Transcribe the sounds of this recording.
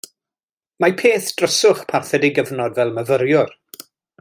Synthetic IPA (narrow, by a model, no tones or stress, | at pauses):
mapʰeːθd̥rəsʊχpʰarθɛdijɡəvnɔdvɛlˠməvəɾjʊr